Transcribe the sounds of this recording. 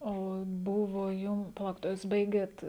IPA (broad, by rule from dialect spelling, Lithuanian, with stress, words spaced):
ˈoː ˈbʊʋoː ˈjʊm pɐˈlˠɐʊkʲɪt oː juːs ˈbɐɪɡʲeːt